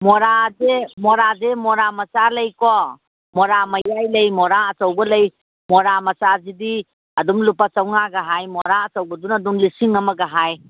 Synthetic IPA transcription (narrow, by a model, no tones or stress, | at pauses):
mɔɾazemɔɾazemɔɾamɐsalɐjkɔ | mɔɾamɐjajlɐjmɔɾaɐsɐwbɐlɐj | mɔɾamɐsazidi | ɐdumlupasɐwŋaɡaɦajmɔɾaɐsɐwbɐdunɐdumlisiŋɐmɐɡaɦaj